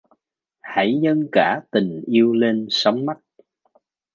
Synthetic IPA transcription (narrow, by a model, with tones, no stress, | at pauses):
ha˧˩jɲə˧nkaː˧˩t̪ï˨˩ŋ̟ʔi˧əwle˧nsə˨˦wŋ͡mma˦˥t̚